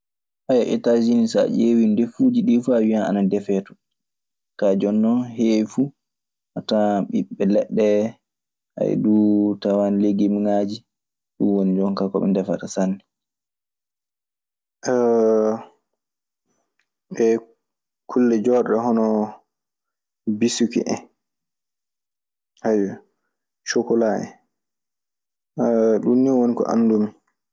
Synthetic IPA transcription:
ʔajaʔɛ̰tad͡ʒinisa̰ʔewindefud͡ʒiɗifuawiana̰nadɛfɛːtɔ̥ | kad͡ʒɔnːɔɦewfu | ʔataɓiɓːɛlɛɗːɛ | ʔa̰jɛ̰dutawanleɡimŋad͡ʒi | ɗuwonid͡ʒɔŋkakɔɓɛ̰ndɛfa̰tasanːɛ | ʔ | ɓɛ | kʰulːɛd͡ʒɔɗɗɛɦɔnɔ | bisukḭʔɛ̰ | hajɛ | t͡ʃokɔlaɛ̰ | ɗunːiwonikɔ̰ʔa̰mdum

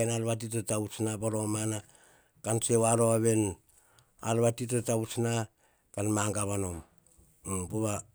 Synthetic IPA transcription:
enalβat̬it̬etausnapaɾomana | kansewaɾoaβe̞n | a̰lβatitetawsna | kanmaŋɡaβano̞m | poβa

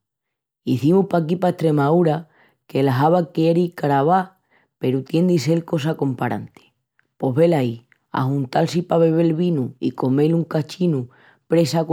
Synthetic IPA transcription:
iθimuhpak̬ipaeht̪ɾe̞mauɾa | ke̞laɦaβakeeɾikaɾaβa | pe̞ɾut̪je̞nd̪ise̞lko̞s̬ako̞mpaɾa̰nt̪e̥ | po̞ɦβe̞lai | a̰hunt̪alsipaβe̞βe̞lβinuḭko̞me̞luŋkat͡ʃinu | pɾe̞sak

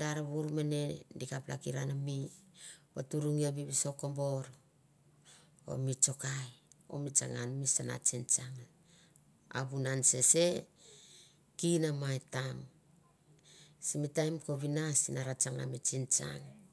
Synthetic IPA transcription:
daɾaβuɾmene̞dikapla̰kiɾanami | otuɾuŋiaβiβiso̞kombo̞ɾ | o̰mit͡ʃo̞kajo̞̰mit͡ʃa̰ŋanmisana̰t͡ʃint͡ʃaŋ | a̰βunanse̞se̞ | kinamaetam | simitajmko̞βinasinaɾat͡ʃaŋa̰mit͡ʃint͡ʃa̰ŋ

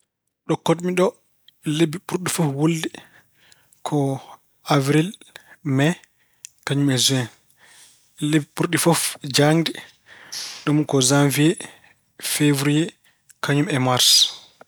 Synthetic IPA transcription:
ɗɔkɔtmiɗɔ | ɛlebiɓuɾɗifɔfwoldi | kʰɔ | avɾilmɛ | kaɲumɛzuɛn | ɛlebiɓuɾɗifɔfd͡ʒandɛ | ɗumkɔzamviɛ | fevɾiɛ | kaɲumɛmaɾs

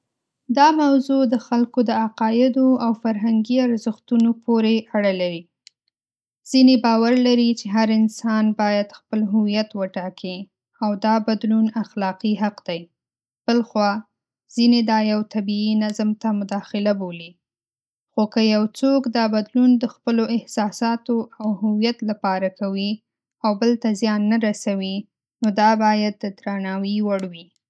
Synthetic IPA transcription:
d̪ɑmawzod̪əxalkod̪əaqɑjɪd̪oawfaɾɦaŋɡiaɾzəxt̪unopʰoɾeʔaɽalaɾi | z̥inebɑwaɾlaɾit͡ʃeɦaɾɪnsɑnbɑjad̪xpəlɦʊwijat̪wəʈɑkʰi | awd̪ɑbad̪lunaxlɑqiɦaqd̪̥aj | b̥əlxwɑ | z̥ined̪ɑjawt̪abiinazmt̪amʊd̪ɑxɪlaboli | xokəjawt͡sokd̪ɑbad̪lund̪əxpəloɪhsɑsɑt̪oʔawhʊwijat̪lapɑɾakawi | awbəlt̪azjɑnːaɾasawi | nod̪ɑbɑjad̪ːəd̪ɾanɑwiwaɽwi

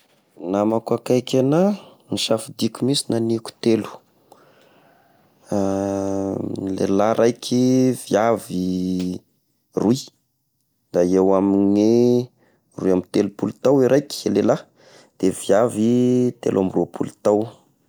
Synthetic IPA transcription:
namakakajkʲananiʃafid̪ikʲumisinaniku̥t̪elu̥ | lḛlaɾʔajkʰʲiv̥iavi | rui | d̪aewamine | ruiamit̪elupulut̪awiɾʔajkʲi̥lela | d̪̥eviavit̪ḛlʔamirupʰulut̪aw

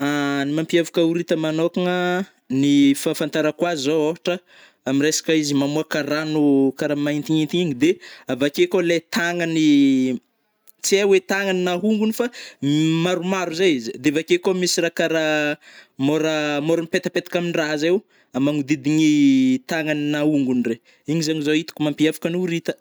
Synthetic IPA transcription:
animampiavukauɾit̪əmanokaŋə | nifafant̪aɾakwaizoofaʈ͡ʂə | aminresḁkəizimamuakaɾanukaɾamaint̪iɲint̪iɲiɲid̪eavakekolet̪aŋəni | t͡siawet̪aŋaninaɦuŋɡunifamaɾumaɾuzajizd̪eavakekomisiɾakaɾa | moɾəmoɾəmipet̪apet̪ḁkaminiraɦazew | amaŋud̪id̪iɲit̪aŋaninauŋɡunre | iɲizaɲizoit̪i̥kumampiafḁkanuɾit̪ə̥

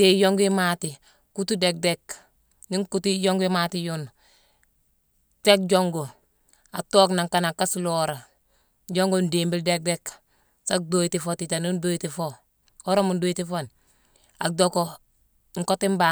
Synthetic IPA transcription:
tejoŋɡimati | kutudek̚dek | niŋkutijoŋɡimatijun | tek̚ɟoŋɡo | atoːknaŋkanakasloɾa | ɟoŋɡondimbildek̚dek | sak̚doitifotitanundoitifo | oɾamundojitifon | a̰k̚doko | ŋkotimba

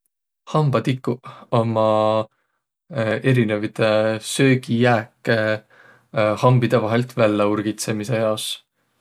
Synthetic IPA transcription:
hɑmb̥ɑt̪ikːu̥omɑ | e̞ɾine̞vit̪e̞sø̞ːɡ̥ijæːkːe | hɑmbid̪̥e̞vɑɦe̞lt̪vælːeuɾɡ̥it̪se̞mise̞jɑos

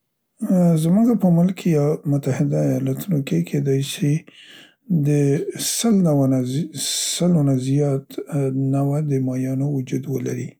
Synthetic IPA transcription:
zmuɡapəmʊlkːʰejɑmʊt̪ahɪd̪aːjɑlat̪unokekʰed̪ɑjʃi | d̪əsəlnawanasəlonazijɑt̪nawad̪əmɑjɑnowʊd͡ʒud̪wəlaɾi

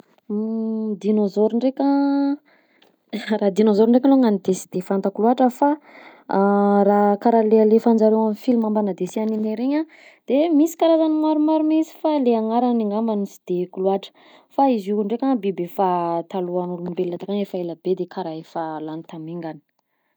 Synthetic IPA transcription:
d̪inozoɾuɳɖ͡ʐekʲə | rad̪inozoɾiɳɖ͡ʐek̬ʲaloŋanid̪esi̥d̪̥efant̪akuluaʈ͡ʂəfa | rakaɾalealefand͡zaɾewamifilimambanad̪esianineɾeɲa | d̪̥emisi̥kaɾazanimaɾumaɾumisi̥faleaŋaɾaniŋambanisi̥d̪̥ekuluaʈ͡ʂə̥ | faizukuɳɖ͡ʐekʲaŋbebefat̪aluanluimbelːat̪akanefaelabed̪ekʰaɾaefalanit̪amiŋɡani̥

